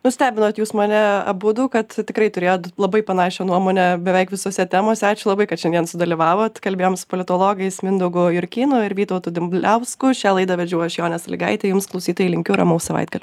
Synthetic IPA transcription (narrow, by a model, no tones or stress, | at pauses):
nʊsʲt̪ʲæːbʲɪnoːt̪juːsmɐnʲɛɐ̰bʊd̪uːkɐt̪tʲɪkɾɐɪt̪ʊɾʲeːjoːt̪lˠɐbɐɪpɐnɑːʃʲoːnuɔmoːnʲɛbʲɛʋʲɛɪkʋʲɪsoːsʲɛt̪ʲæːmoːsʲɛɑːt͡ʃʲʊlˠɐbɐɪkɐt̪ʃʲɛnʲiɛnsʊd̪ɐlʲiʋɑːʋoːt̪kɐlʲbʲeːjoːmsʊ̥poːlʲɪt̪oːlˠoːɡɐɪsmʲɪnd̪oɡʊjʊɾʲkʲiːnʊɪɾʋʲiːt̪ɐʊt̪ud̪ʲɪmlʲɛʊskʊʃʲæːlˠɐɪd̪ɐʋʲɛd͡ʒʲuːjɔʃʲɛjoːnʲɛsɐlʲɪ̰ɡɐ̰ɪt̪ʲɛjʊmsklˠɐʊsʲiːt̪oːjilʲɪŋʲkʲʊːɾɐ̰mɐʊsɐʋɐ̰ɪd̪ɡɐlʲʊ